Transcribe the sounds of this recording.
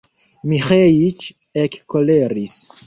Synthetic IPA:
miχejit͡ʃekːoleɾis

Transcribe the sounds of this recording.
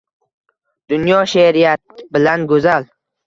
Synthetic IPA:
d̪̥ʊnjɒʃeɾijat̪̚bɪlanɡozal

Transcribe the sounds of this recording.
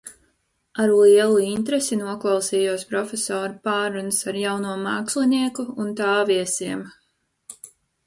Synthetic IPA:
aɾliɛlˠuint̪ɾesinuɔklˠɑwsiːjuɔspɾɔfʲesɔːɾupaːɾunsaɾjawnuɔmaːksliniɛkuːnt̪aːviɛsiɛm

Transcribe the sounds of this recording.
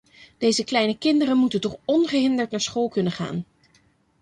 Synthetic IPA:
d̥ejzəklɛjnəkɪndərənmutəntɔχɔnχəɦɪndəɹtnaːɹsχolˠkɵnənχa̰ːn

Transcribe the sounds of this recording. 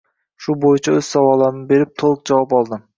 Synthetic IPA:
ʃʊbojɪt͡ʃʰaɵz̥sawɒlˠaɾɪnɪbe̞ɾɪp̚t̪ʰolˠk̚d͡ʒavɒpɒlˠd̪ɪm

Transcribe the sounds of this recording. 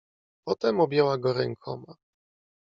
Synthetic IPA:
pɔt̪ɛmubʲjɛwaɡɔɾɛŋkʰɔ̰ma

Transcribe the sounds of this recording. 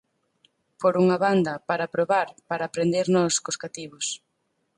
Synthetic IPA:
foɾuŋɐβand̪ɐpaɾapɾoβaɾpaɾaːpɾend̪eɾnɔskoskat̪iβos

